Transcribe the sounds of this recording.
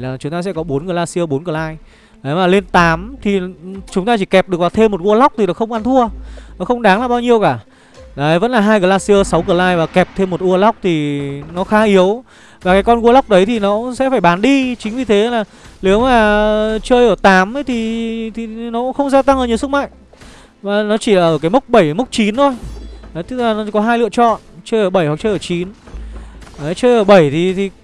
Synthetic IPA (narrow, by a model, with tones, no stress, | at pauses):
laː˨˩t͡ɕʊ˨˦ŋ͡mt̪aː˧sɛ̰˧˥kɔ˨˦ɓo˨˦nkəː˨˩laː˧si˧ə˧ɓo˨˦nkɨ˧˩laː˧j | ɗə˨˦maː˨˩le˧nt̪aː˨˦mt̪ʰi˨˩t͡ɕʊ˨˦ŋ͡mt̪aː˧t͡ɕi˧˩kɛ˨˩p̚ɗɨ˨˩əvaː˨˩t̪ʰe˧mːo˨˩t̚ɣu˧ə˧la˦˥wk͡p̚t̪ʰi˨˩ɗa˨˩xə˧wŋ͡mʔa˧nt̪ʰu˧ənɔ˨˦xə˧wŋ͡mɗaː˨˦ŋlaː˨˩ɓaː˧wɲi˧əwkaː˧˩ | ɗaː˨˦jvə̰˧˥nlaː˨˩ɦaː˧jkəː˨˩laː˧si˧ə˧sa˨˦wkɨ˧˩əlaː˧jvaː˨˩kɛ˨˩p̚t̪ʰe˧mːo˨˩t̚ʔu˧əla˦˥wk͡p̚t̪ʰi˨˩nɔ˨˦xaː˨˦ʔi˨˦əw | vaː˨˩kaː˨˦jkɔ˧nɣu˧la˦˥wk͡p̚ɗə˨˦jt̪ʰi˨˩nɔ˨˦sɛ̰˧˥faː˧˩jɓaː˨˦nɗi˧t͡ɕï˨˦ŋ̟vi˨˩t̪ʰe˨˦laː˨˩ | ne˨˦wmaː˨˩t͡ɕəː˧jʔəː˧˩t̪aː˨˦mə˨˦jt̪ʰi˨˩t̪ʰi˨˩nɔ˨˦xə˧wŋ͡mzaː˧t̪a˧ŋʔəː˧˨˩ɲ˧˨˩sɨ˦˥k̚ma̰ː˧˨ŋ | maː˨˩nɔ˨˦t͡ɕi˧˩laː˨˩ʔəː˧˩kaː˨˦jmə˦˥k͡p̚ɓə˧˩jmʊ˦˥k͡p̚t͡ɕi˨˦nt̪ʰo˧jə˨˦t̪ɨ˦˥k̚laː˨˩nɔ˨˦kɔ˨˦ɦaː˧jlɨ̰˧˨ət͡ɕɔ̰˧˨nt͡ɕəː˧jʔəː˧˩ɓə˧˩jhwa˨˩k̚t͡ɕəː˧jʔəː˧˩t͡ɕi˨˦n | ə˨˦t͡ɕəː˧jʔəː˧˩ɓə˧˩jt̪ʰi˨˩t̪ʰi˨˩